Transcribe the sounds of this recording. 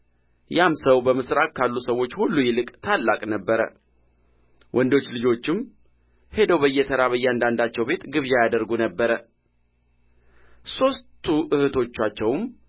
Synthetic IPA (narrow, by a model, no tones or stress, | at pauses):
jamsəwbəmɨsɾakkʰːalːusəwːo̞t͡ʃːhulːujɪlɨkʼt̪ʰalːakʼnəbːəɾə̰ | wʔɔnd̪o̞t͡ʃːlɨd͡ʒo̞t͡ʃːɪm | he̞d̪əwbəjːɛt̪ʰəɾaβəjːɛand̪and̪at͡ʃːɛwbe̞t̪ɡɨβjajad̪əɾɡunəbːəɾə | so̞st̪ʰuʔɨhɨt̪ʰo̞t͡ʃːat͡ʃːɛwm